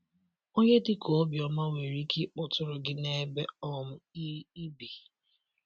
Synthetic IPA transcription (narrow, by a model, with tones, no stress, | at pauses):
o˦ɲe˦dɪ˦kʰo˨ɔ˦bjɔ˨ma˦we˨ɾi˦kʰɪ˦k͡pʊ˨tʊ˦ɾʊ˨ɡɪ˦ne˦be˦ɔ˦m̩˦i˦i˦bi˨